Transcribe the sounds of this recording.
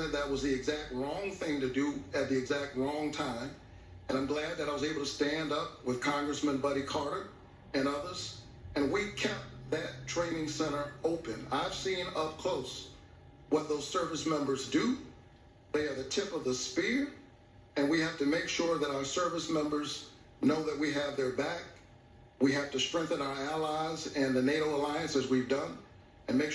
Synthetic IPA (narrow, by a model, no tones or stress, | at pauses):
ɨ̃t̪ðət̚wʌzðiɨɡzæk̚t̚ɹɔ̃ŋθɪ̃ŋtɨdɨɨt̪̚ðiɨɡzæk̚t̚ɹɔ̃ŋtʰãɪ̃m | ɨ̃ɾ̃ãɪ̃mɡlæd̪̚ðɨɾaɪwʌzeɪbl̩ˠtʰɨstæ̃ndʌp̚wɨð̥kʰɑ̃ŋɡɹɨsmɨ̃nbʌɾikʰɑɹɾə˞ | ɨ̃nʌðə˞z̥ | ɨ̃nwikʰɛp̚ðɨtʰɹ̥ẽɪ̃nɪ̃ŋsɛ̃ɾ̃ə˞oʊpɨ̃naɪv̥sĩnʌp̚kʰl̥oʊs | wʌt̪̚ðoʊz̥sɜ˞vɨsmɛ̃mbə˞zdɨ | ðeɪə˞ðɨtʰɪpʌvðəspɪɹ | ɨ̃nwihæftɨmeɪkʃʊɹðɨɾaʊə˞sɜ˞vəsmɛ̃mbə˞z | noʊðɨt̚wiɨvðə˞bæk̚ | wiɦæftɨstɹ̥ɛ̃ŋk̚θɨ̃naʊə˞ælaɪzɨ̃nðɨneɪɾoʊəlaɪɨ̃nsɨzwivdʌ̃n | ɨ̃nmeɪk